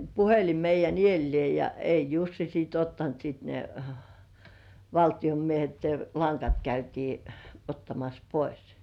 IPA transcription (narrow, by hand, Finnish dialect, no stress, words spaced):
puhelim meijˑæn ielːĭeˑ jɑ ei jusːi siːt otːɑnt sit ne ʋɑltij̆om miehet ne lɑŋkɑt kæytiː otːɑmɑs pois